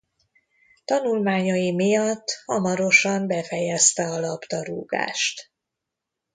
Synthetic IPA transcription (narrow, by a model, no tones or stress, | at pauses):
t̪ɒnulmaːɲɒjimijɒt̪ːhɒmɒɾo̞ʃɒmbɛfɛjɛst̪ɛɒlɒpt̪ɒɾṵːɡa̰ːʃt̪